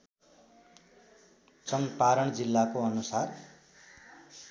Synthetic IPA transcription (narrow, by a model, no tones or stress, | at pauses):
t͡sʌŋpaɾʌɳd͡zilːakoʌnusar